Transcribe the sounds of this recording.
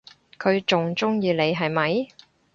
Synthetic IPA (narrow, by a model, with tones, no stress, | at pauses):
kʰɵ˨˧ɥt͡sʊ˨ŋt͡sʊ˥ŋjiː˧le˨˧jɦɐ˨jmɐ˨˥j